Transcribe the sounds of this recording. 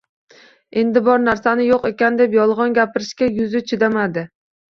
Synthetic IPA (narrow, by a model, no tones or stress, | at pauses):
e̞nd̪ɪbɒɾnaɾsanɪjoqe̞kʲand̪e̞pjɒlˠʁɒnɡʲapɪɾɪʃkʲajʊzɪt͡ʃʰɪd̪amad̪ɪ